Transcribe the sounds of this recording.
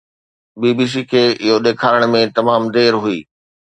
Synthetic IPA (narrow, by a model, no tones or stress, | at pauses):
biːbiːs̬ikʰeːɪɦoɗ̪eːkʰaːɾəɽ̃mẽt̪ɐmaːmd̪eːɾɦuiː